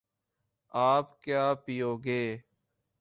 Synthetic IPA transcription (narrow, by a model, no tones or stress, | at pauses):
aːpkjaːpijoːɡeː